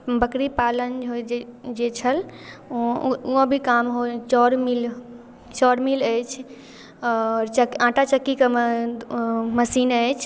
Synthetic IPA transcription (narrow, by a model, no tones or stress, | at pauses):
bəkɽipalənd͡ʒɦod͡ʒet͡ʃʰəl | uõbʱikamɦot͡ʃɔɾmil | t͡ʃɔɾmiləjt͡ʃʰ | ɔɾt͡ʃəkãʈat͡ʃəkːikem | məsinəjt͡ʃʰ